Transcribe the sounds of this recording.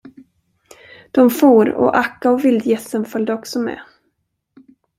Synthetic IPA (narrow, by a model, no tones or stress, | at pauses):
d̪̥ɔmfuːɾɔ̰ʔakːaɔvɪld̪jɛsənfœld̪əɔksɔmɛ̰